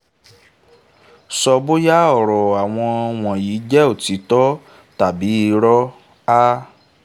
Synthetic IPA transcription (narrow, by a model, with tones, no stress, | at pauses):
sɔ˧bo˦ja˦ɔ˨ɾɔ˨a˨w̃ɔ̃˧w̃ɔ̃˨jiː˨˦d͡ʒɛ˦o˦˨ti˨˦tɔ˦ | ta˨bi˨˦i˧ɾɔ˦ | a˦